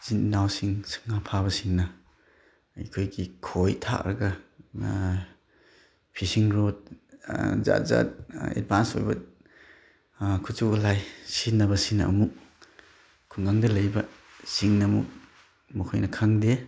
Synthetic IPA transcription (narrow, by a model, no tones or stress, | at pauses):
zinnawsiŋsɯ̥ŋapʰabɐsiŋnɐ | ɐ̰jkʰojɡikʰojtʰa̰kɾɐ̰ɡɐ | pʰisiŋɾot̚ | za̰t̚za̰t̚ḛd̚banso̰jbɐ | kʰut͡ʃulajsinɐβɐsinɐ̰muk̚ | kʰuŋɡaŋdɐlɐjbɐ | siŋnɐmṵk̚ | mukʰojnɐkʰaŋde